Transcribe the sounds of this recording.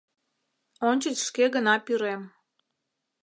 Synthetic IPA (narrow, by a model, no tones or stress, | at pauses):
onʲt͡ɕət͡ɕʃkeɣənɑpyɾem